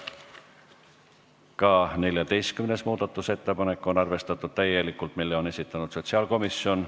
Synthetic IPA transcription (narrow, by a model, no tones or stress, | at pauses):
kɑːne̞lʲjɑd̪e̞jst̪̚kymne̞smuːd̪̥ɑt̪ˑːuse̞t̪ːepɑne̞kːˑo̞nɑrve̞st̪ɑt̪ːˑud̪̥̚t̪æjːe̞likːˑult̪milːe̞o̞ne̞sit̪ːˑɑnud̪̥so̞t̪siɑːlko̞misːio̞n